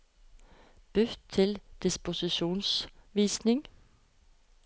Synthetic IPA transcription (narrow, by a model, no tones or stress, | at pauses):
b̥øt̪ʰɪld̪̥ɪspʊsɪɕṵːnsʋiːsnɪŋ